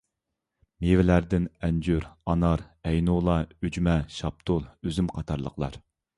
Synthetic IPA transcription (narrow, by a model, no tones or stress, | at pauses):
mevɪlæɾd̪ɪnɛnd͡ʒyɾɑnɑɾɛjnulˠɑyd͡ʒmɛʃɑp̚t̪ʰʊlˠøzymqʰɑt̪ʰɑɾlˠə̰qlˠɑ̰ɾ